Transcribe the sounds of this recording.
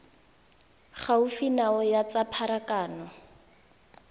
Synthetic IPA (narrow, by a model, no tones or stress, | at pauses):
χaufinaɔjat͡sapʰaɾakaːnɔ